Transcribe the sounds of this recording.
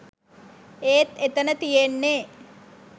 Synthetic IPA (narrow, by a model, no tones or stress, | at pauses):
eːt̪et̪ənət̪ijenːe